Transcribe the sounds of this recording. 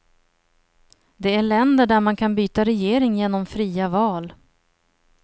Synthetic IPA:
d̪ɛæɭɛnd̪əɖæɾmankʰanbyːt̪aɾɛjeːɾɪŋjeːnɔmfɾiːavɑːl

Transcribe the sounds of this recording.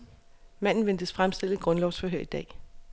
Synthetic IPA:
mæn̰n̩ʋend̥əsfʁamsd̥e̝l̰ðɡ̥ʁɔ̽nlɒʊsfɒ̽ɦøɐ̰id̥ɛ̰ː

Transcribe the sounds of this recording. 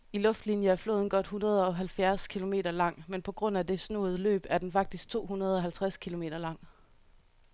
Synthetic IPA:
ilɔ̽fd̥linjəæɐflo̝̰ːðˠnɡ̥ɒ̽d̥hunʁɐð̞̩ˠɒ̽ɦælfjæɐskʰilo̝me̝̰ːdɐlɑ̈ŋ̰menpʰɒ̽ɡ̥ʁɔ̽n̰æd̥e̝sno̝̰ːð̩ˠlø̰ːb̥æɐd̥enfɑ̈ɡ̥̚d̥isɡ̥̚t͡sʰo̝̰ːhunɐð̞̩ˠɒ̽ɦælt͡sʰʁaskʰilo̝me̝̰ːd̥ɐlɑ̈ŋ̰

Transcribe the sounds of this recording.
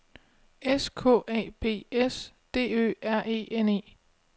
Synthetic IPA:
eskʰɔ̰ːʔɛ̰ːb̥e̝̰ːes | d̥e̝̰ːø̰ːæɐ̰ʔe̝̰ːene̝̰ː

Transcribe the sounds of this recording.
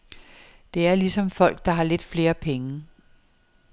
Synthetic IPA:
d̥e̝æɐlisɒ̽mfɒ̽l̰ɡ̥̚d̥ɑ̈ɦɑ̈led̥fle̝ːɐpʰeŋə

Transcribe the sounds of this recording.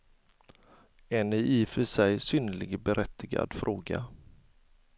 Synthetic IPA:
ɛnɪiːfœʂɛjsyːnəlɪɡəbɛɾʔɛt̪ːɪɡa̰d̪fɾʔoːɡa̰

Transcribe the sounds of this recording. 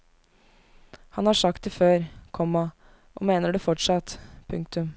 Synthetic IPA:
hɑnhɑːʂɑk̚t̪̚ɛføːɾkʰɔmːɑ | ʔɔ̰meːnəɖʉːfɔʈʂɑt̪pʰʉŋk̚t̪ʉm

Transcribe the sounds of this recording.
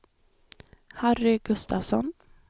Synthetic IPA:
harɪɡɵst̪avsɔn

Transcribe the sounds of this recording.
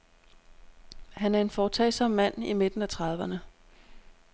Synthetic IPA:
hænæɐe̝nfɒːt͡sʰɛ̰ɪsɒ̽mmæn̰ime̝d̥n̩æt͡sʰʁɑ̈ðˠʋɐnə

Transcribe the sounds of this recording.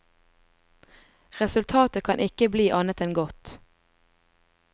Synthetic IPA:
ʁɛsʉlt̪ʰɑːt̪əkʰɑnʔɪkəbliːʔɑnət̪ɛnɡɔt̪

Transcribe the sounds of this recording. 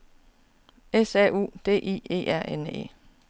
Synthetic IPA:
esɛ̰ṵːd̥e̝̰ːʔḭːe̝̰ːʔæɐ̰ʔenḛː

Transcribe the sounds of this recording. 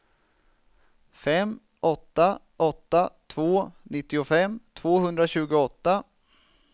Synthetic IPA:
fɛmː | ɔt̪ːa | ʔɔt̪ːat̪ʰvoːnɪt̪ːɪʊfɛmːt̪ʰvoːɦɵnd̪ɾaɕʉ̟ːɡʊɔt̪ːa

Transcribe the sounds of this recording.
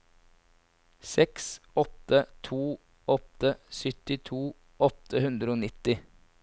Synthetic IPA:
sɛksɔt̪ət̪ʰuː | ɔt̪əsʏt̪ɪt̪ʰuː | ɔt̪əhʉnd̪ɾəoːnɪt̪ɪ

